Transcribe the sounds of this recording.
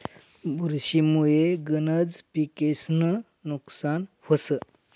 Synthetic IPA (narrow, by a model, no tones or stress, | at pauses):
buɾɕimujeɡənəd͡zpikesnə | nuksan | həsə